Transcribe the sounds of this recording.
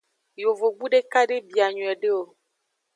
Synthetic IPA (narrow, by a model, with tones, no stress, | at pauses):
jo˨vo˨ɡ͡bu˦ɖe˦ka˦ɖe˦bi˨a˨ɲũ˨ɛ˨ɖe˦o˨